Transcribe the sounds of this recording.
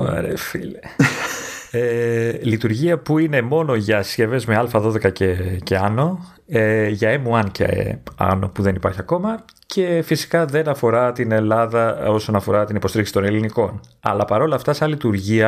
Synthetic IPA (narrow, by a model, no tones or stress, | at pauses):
ɐ̰ɾefḭle | elit̪uɾʝiɐpuine̞mo̞no̞ʝɐsce̞ve̞zme̞ɐlfɐðo̞ðe̞kɐceceɐno̞ | eʝɐemuɐncḛḛɐ̰no̞̰puðe̞nipɐɾçiɐko̞mɐ | cʰe̞fisi̥kɐðe̞nɐfo̞ɾɐt̪ine̞lɐðɐo̞so̞nɐfo̞ɾɐt̪inipo̞siɾiksi̥t̪o̞ne̞liniko̞n | ɐ̰lɐpɐɾo̞lɐːft̪ɐsɐlit̪uɾʝiɐ